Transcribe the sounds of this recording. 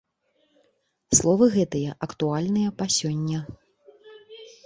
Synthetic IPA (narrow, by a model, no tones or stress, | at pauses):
slˠɔvɨɣɛt̪ɨjɐʔɐkt̪ualʲnɨjɐpɐsʲɔnʲːɐ